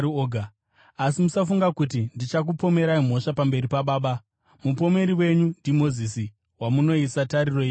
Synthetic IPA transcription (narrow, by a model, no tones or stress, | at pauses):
oɡʱa | asimusafuŋɡakut̬indit͡ʃak̬upo̞me̞ɾaim̤o̞ʃapambe̞ɾipaɓaːɓa | mupo̞me̞ɾiwe̞ɲundimo̞zisi | wamuno̞isataɾiro̞iːi